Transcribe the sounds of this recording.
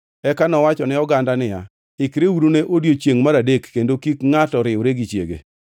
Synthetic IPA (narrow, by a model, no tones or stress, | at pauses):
ɛkanɔwat͡ʃɔnɪɔɡandanɪja̰ | ɪkɾewuɾuneʔodjot͡ʃjeŋmaɾadekːendokikŋatɔɾɪʊɾeɡit͡ʃjḛɡḛ